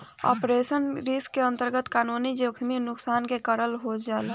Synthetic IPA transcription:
ɔ̰ːpɾesənɾiskːeə̃nt̪əɾɡət̪kaːnunid͡ʒekʰminʊksaːnkekəɾəlɦod͡ʒala

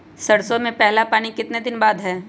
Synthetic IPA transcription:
sɐɽsomẽpɛɦlapaːñikɪt̪ned̪ɪnbaːd̪ɦɛː

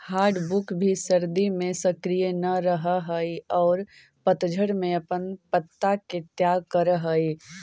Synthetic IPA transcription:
haːɾɖbukbʱisəɾd̪imẽsəkɾijənəɾəɦəɦəiɔːɾ | pət̪d͡ʒʱəɽmẽɐpənpət̪ːaket̪jaːɡ̚kəɾɦəi

